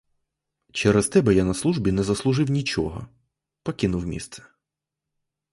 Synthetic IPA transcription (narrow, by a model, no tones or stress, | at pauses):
t͡ʃɛɾɛst̪ɛbɛjanɐslˠuʒbʲinɛzɐslˠʊʒɪwnʲit͡ʃɔɦɔ̰ | pɔkʲinʊwmʲḭst̪sɛ̥